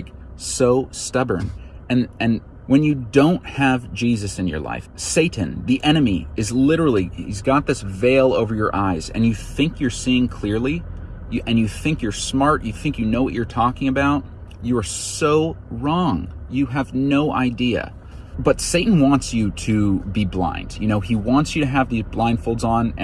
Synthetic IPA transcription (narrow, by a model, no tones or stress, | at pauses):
k | soʊstʌbə̰̃˞nɨ̃nɨ̃n | wɨ̃njɨdõʊ̃nt̚hɨvd͡ʒizɨsɨ̃njə̰˞la̰ɪfseɪʔn̩ðiʔɛñɨmiɨzlɪɾə˞l̩ˠihḭzɡɑt̪̚ðɪsveɪlˠo̰ʊvə˞jə˞ʔaɪzɨ̰̃njɨθɪ̃ŋkʰjə˞siɪ̃ŋkʰl̥ɪɹli | jɨʔɨ̃njɨθɪ̃ŋkjə˞smɑɹʔjɨθɪ̃ŋkjɨnoʊwʌ̰t͡ʃə˞tʰɔkɪ̃ŋɨbaʊt̚ | əː˞soʊɹɔ̃ŋjɨɨvnoʊʔa̰ɪdiɨ̰ | bʌtseɪʔn̩wɑ̃ntsjɨɾɨbiblã̰ɪ̃ndjɨñoʊiwɑ̃ntsjɨɾɨəvðizblãɪ̃nd̥foʊlˠdzñ̩